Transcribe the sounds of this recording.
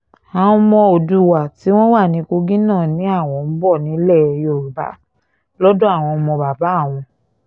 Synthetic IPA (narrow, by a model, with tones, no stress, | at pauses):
a˨ũ˧mɔ̃˧o˨du˧wa˨ti˨˦w̃ɔ̃˦wa˦˨nĩ˨˧˦ko˧ɡĩ˦nãː˦˨nĩ˨˦a˦˨w̃ɔ̃˧˨m̩˦bɔ˦˨nĩ˨˦lɛ˦˨˧jo˦˨ɾu˨ba̰˨˦ | lɔ˦do˦a˦˨w̃ɔ̃˧mɔ̃˧ba˨ba˨˦˨w̃ɔ̃˧